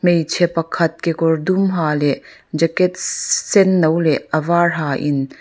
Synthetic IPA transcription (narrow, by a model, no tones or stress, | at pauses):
mejt͡ʃʰɛpɐkʰɐt̪̚kekɔrd̪umɦaːlɛ | d͡ʒɐkɛt̚sɛnːowlɛɐvaɹɦaʔin